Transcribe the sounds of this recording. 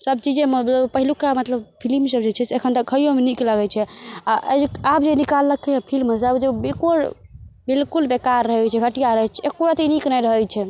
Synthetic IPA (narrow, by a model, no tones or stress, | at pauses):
səb̚t͡ʃid͡ʒẽməbləbpəɦilukamət̪ləbpʰilimsəbd͡ʒet͡ʃʰɛseekʰənt̪əkʰːəjomenikləɡɛt͡ʃʰɛaʔə̰ab̚d͡ʒenikalːəkːepʰilməsabd͡ʒebikoɽbilkulbekaɾːəɦɛt͡ʃʰɛɡʱəʈijaɾəɦɛt͡ʃʰɛekːoɾat̪iniknəjɾəɦɛjt͡ʃʰɛ